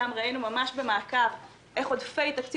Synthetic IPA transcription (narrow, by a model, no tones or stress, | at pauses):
amʁainumamaʃbe̞maːkav | ʔe̞χo̞d̪fe̞jt̪akt͡s